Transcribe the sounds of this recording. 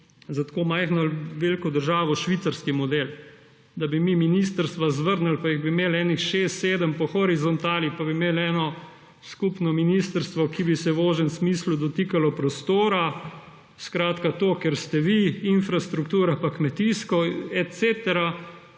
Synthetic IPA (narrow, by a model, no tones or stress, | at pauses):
zat̪komajxnalʋeːlkɔd̪əɾʒaːʋɔʃʋit̪saɾskimɔd̪el | d̪abimiminist̪əɾst̪ʋazʋəɾnəlpaiɣbimeːlɛːnixʃest̪seːd̪əmpɔxɔɾizɔnt̪aːlipabimeːlɛːnɔ | skupnɔminiːst̪əɾst̪ʋɔkibisɛʋoːʒɛnsmiːslud̪ɔt̪ikalɔpɾɔst̪oːɾa | skɾaːt̪kat̪okeɾst̪ɛʋiinfɾast̪ɾukt̪uːɾapakmɛt̪iːskɔɛt̪seːt̪ɛɾa